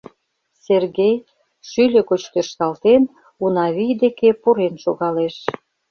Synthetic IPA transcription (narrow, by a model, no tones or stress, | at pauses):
serɣej | ʃylʲĕkot͡ɕt̪erʃt̪ɑlt̪en | unɑβijd̪ekepuɾenʃoɣɑleʃ